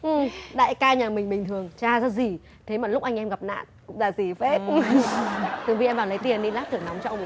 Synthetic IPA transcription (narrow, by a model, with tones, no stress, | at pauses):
ʔɨ˨˩mɗa̰ː˧˨jkaː˧ɲaː˨˩mï˨˩ŋ̟ɓï˨˩ŋ̟t̪ʰɨ˨˩ə˩ŋt͡ɕaː˧˩zɔː˧zi˨˩ | t̪ʰe˨˦maː˨˩lʊ˦˥k͡p̚ʔa˧jŋ̟ʔɛ˧mɣa˨˩p̚na̰ː˧˨nkʊ̰˧˥ŋ͡mzaː˧˩zi˨˩fe˦˥p̚ | t̪ɨ˨˩ŋvi˨˩ʔɛ˧mvaː˨˩lə˨˦jt̪i˨˩ənɗi˧nlaː˦˥t̚t̪ɨ˧˩ə˩nɔ˨˦wŋ͡mt͡ɕɔ˧ʔə˧ŋ͡m